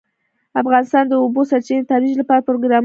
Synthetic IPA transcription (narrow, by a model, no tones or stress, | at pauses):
afɣɑnɪst̪ɑnd̪əobosaɾt͡ʃenət̪ɑɾwid͡ʒlapɑɾapɾoɡɾɑm